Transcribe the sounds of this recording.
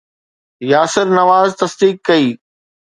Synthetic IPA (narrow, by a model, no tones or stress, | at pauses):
jaːsɪɾnɐʋaːzt̪ɐsd̪iːkːɐiː